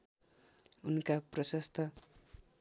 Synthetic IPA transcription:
unkaprʌsʌst̪ʰʌ

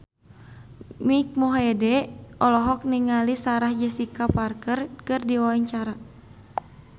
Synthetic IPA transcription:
mik̚mɔɦɛdɛʔɔlɔɦɔk̚niŋalisaɾahd͡ʒəsikaparkərkɨrdiɔaŋt͡ʃaɾa

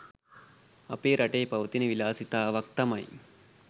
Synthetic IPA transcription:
ɐpeːɾʔɐʈeːpɐʋɐt̪inəʋilaːsit̪aːʋɐk̚t̪ɐmɐj

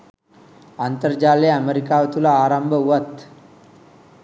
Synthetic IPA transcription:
ant̪əɾd͡ʒaːleəmeɾikaːʋət̪ulaːɾambəuʋət̪

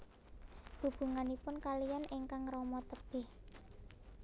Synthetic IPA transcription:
b̥ṳb̥ṳŋanipʊnkalijanɪŋkaŋrɔmɔt̪əb̥ɪh

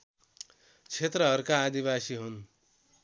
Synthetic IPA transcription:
t͡sʰet̪rʌɦʌɾukaːd̪ibasiɦun

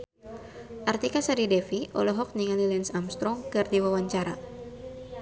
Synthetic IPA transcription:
ʔart̪ikasaɾidɛfiʔɔ̰lɔɦɔk̚niŋalilɛnsamst̪ɾɔŋkɨrdiwawaɲt͡ʃaɾa

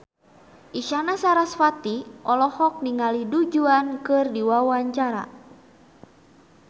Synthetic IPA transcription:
ʔiʃanasaɾasfat̪iʔɔlɔhɔk̚niŋalidud͡ʒuankɨrdiwawaɲt͡ʃaɾa̰

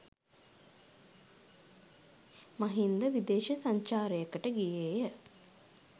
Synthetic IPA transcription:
mɐɦind̪əʋid̪eːʃɐsaɲt͡ʃaːɾəjekəʈəɡijeːjə

